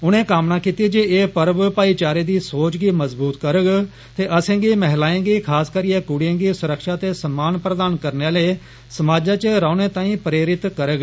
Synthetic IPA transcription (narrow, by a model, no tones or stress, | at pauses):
ʊnẽːkaːmnaːkiːt̪iːd͡ʒeeːpəɾbpaːiːt͡ʃaːɾeːd̪iːsoːt͡ʃɡiːməzbuːt̪kəɾəɡ | t̪eːʔəsẽːɡiːmɛɦlaːẽːɡiːkʰaːskəɾiːeːkʊɽiẽːɡiːsʊɾəkʃaːt̪eːsəmaːnpɾəd̪aːnkəɾneleː | səmaːd͡ʒãːt͡ʃəɾaːʊneːt̪ãːĩːpɾeːɾɪt̪kəɾəɡ